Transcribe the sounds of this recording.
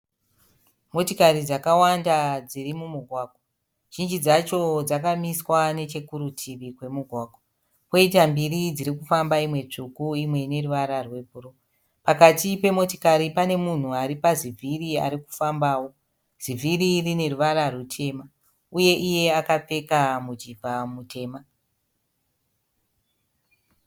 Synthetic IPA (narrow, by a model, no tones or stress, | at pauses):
mo̞tikarid͡zakawandad͡zirimumuɡʱwaːɡ̥wo | ʒ̥ind͡ʒid͡zat͡ʃo̞d͡zakamiswane̞t͡ʃe̞kuɾutʰiʋikwe̞muɡʱwaːɡ̥ʱwa | po̞itambirid͡ziɾikufambaimwe̞t͡ʂukuimwe̞ine̞ruʋaɾarwe̞puro | pakatipe̞mo̞tikaɾipane̞mun̤uaɾipazivʱiria̰ɾiku̥fambaːwo̞ | z̥ivʱiririne̞ruʋaɾarutʰe̞ːma | uje̞ʔije̞akap͡fe̞kamud͡ʒibʱamute̞ːma